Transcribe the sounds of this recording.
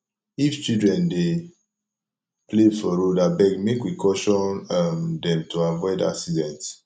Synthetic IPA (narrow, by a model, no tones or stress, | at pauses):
ift͡ʃidɹɛ̃nde | plefɔɹodabɛɡmekwikʰɔʃɔ̃namdɛ̃mtuavɔɪda̰ksidɛ̃nt